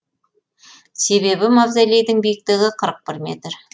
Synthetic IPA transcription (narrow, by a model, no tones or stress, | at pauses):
se̞βe̞bɪmɑbzajlejd̪ɪŋbijɪk̚t̪ɪɡʲɪqʰəɾəq̚pɪɾmʲe̞̰t̪r